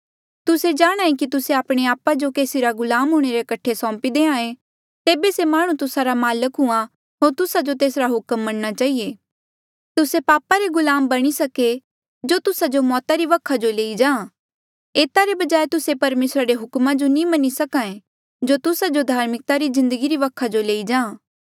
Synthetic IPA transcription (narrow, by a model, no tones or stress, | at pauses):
t̪ʊsed͡ʒaːɽ̃ãːẽkit̪ʊseaːpɽ̃eaːpad͡ʒokeːsiɾaɡʊlaːmɦʊɽ̃eɾekɐʈʰesɔ̃ːmpid̪eːãːẽ | t̪eːbesemaːɽ̃ũt̪ʊsaɾamaːləkɦʊã | ɦoːɾt̪ʊsad͡ʒot̪eːsɾaɦʊkəmːɐɽñat͡ʃaːɦieː | t̪ʊsepaːpaɾeɡʊlaːmbɐɽ̃isɐke | d͡ʒoːt̪ʊsad͡ʒomɔːt̪aɾiʋɐkʰad͡ʒoleːid͡ʒãːã | eːt̪aɾebɐd͡ʒaːet̪ʊsepɐɾmeːsɾaɾeɦʊkmãd͡ʒonĩmɐnisɐkãːẽ | d͡ʒot̪ʊsad͡ʒod̪ʱaːɾmɪk̚t̪aɾizɪ̃nd̪əɡiɾiʋɐkʰːad͡ʒoleːid͡ʒãːãː